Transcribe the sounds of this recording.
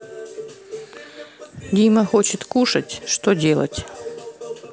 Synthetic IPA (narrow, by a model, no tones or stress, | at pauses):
ɡʲiməxot͡ɕɪt̪kuʂətʲʂt̪odʲelˠə̰tʲ